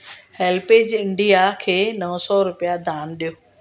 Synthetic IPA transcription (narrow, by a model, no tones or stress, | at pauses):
hɛlpeːd͡ʑɪ̃ɳɖijakʰeːnɐʋsɔɾʊpijad̪ʱaːnɗijoː